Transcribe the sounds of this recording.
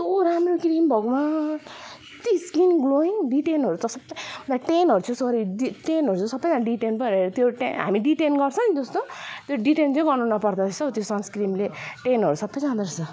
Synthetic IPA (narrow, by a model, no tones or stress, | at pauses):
t̪oɾamrokɾimbʱʌɡoma | t̪iskinɡloiŋɖiʈenɦʌɾut̪ʌsʌbːʌt̪aʈenɦʌɾut͡sʰusʌɾiɖiʈenɦʌɾut͡sʰũsʌbːʌjd͡zanɖiʈenpʌɾeɾt̪joʈeɦa̰miɖiʈenɡʌrt͡sʰʌ̃nd͡zʌst̪ot̪joɖiʈent͡sʌ̃ɡʌrnunʌpʌrd̪at͡sʰʌt̪josʌnskɾimleʈenɦʌɾusʌbːʌjd͡zãd̪ʌɾt͡sʰʌ